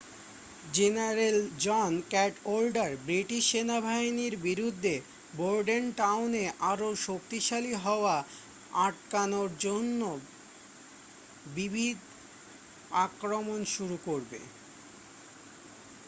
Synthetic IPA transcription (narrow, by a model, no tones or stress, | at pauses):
d͡ʑenaɾeld͡ʑɔnkɛʈolɖaɾbɾiʈiʃːenabʱajniɾbiɾud̪ʱːe | boɾɖenʈawneʔaɾoʃokt̪iʃaliɦɔoa | aʈ̚kanoɾd͡ʑonːo | bibʱid̪ | akɾomonʃuɾukoɾbḛ